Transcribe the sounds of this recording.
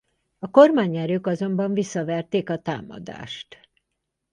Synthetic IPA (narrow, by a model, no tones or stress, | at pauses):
ɒko̞rmaːɲɛɾøːkɒzo̞mbɒɱvisːɒvɛrt̪eːkɒt̪a̰ːmɒ̰d̪a̰ːʃt̪